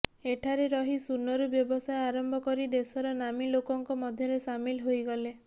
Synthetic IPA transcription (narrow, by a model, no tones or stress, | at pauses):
eʈʰaɾeɾɔɦisunːɔɾubjɔbɔsajaɾɔmbʱɔkɔɾid̪esɔɾɔnamilokɔŋkɔmɔd̪ʱjɔɾesamilɦojɡɔle